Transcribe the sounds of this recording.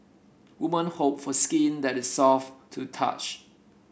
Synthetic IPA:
wumə̃nhop̚fɔskĩndɛtɪsːɔftʰutʰa̰t͡ʃ

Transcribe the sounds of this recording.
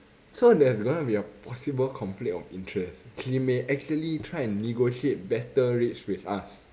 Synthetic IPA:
sodɛɛsɡɔ̃nubiəpʰɔsibəlkʰɔ̃mplẽnɔ̰fĩntʰɹɛskʰlimeʔɛk̚t͡ʃuəlitʰɹaɪɛ̃nːiɡoʃiet̚bɛtəɹet͡ʃt͡ʃwiθa̰s

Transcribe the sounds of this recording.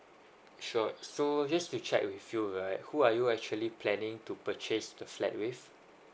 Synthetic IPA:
ʃɔsod͡ʒastut͡ʃɛ̰k̚wifjuɹaɪthuajuɛk̚t͡ʃuəlipʰlɛ̃nɪ̃ŋtupət͡ʃesdəflɛ̰t̚wif

